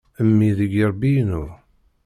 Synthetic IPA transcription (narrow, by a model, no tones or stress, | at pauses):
əmːiðəɡiɾˤbinʊɾ